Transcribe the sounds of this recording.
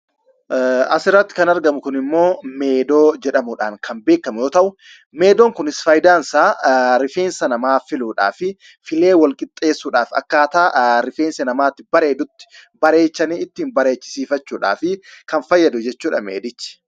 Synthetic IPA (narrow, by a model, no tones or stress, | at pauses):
ɐsɪrːɐt̪ːɪ̥kɐnɐɾɡɐmʊkʊnɪmːo̞ːmeːd̪o̞ːd͡ʒɛᶑɐmʊᶑaːŋkʰɐnbe̞ːkːɐmʊjo̞ːt̪ɐʔʊ | me̞ːd̪oːŋkʊnɪsfɐjd̪aːnsaːɾɪfe̞ːnsɐnɐmaːfɪluːᶑa̰ːfɪ | fɪle̞ːwɐlkʼɪt̪ʼːe̞ːsːuːᶑaːfɐ̰kːaːt̪aːɾɪfeːnsɐnɐmaːt̪ːɪbɐɾe̞ːd̪ʊt̪ːɪ̥bɐɾe̞ːt͡ʃːɐniːɪt̪ːɪːmbɐɾe̞ːt͡ʃːɪ̥siːfɐt͡ʃːuːᶑa̰ːfɪkɐnfɐjːɐd̪ʊd͡ʒɛt͡ʃːuːᶑɐmḛːd̪ɪt͡ʃːɪ̥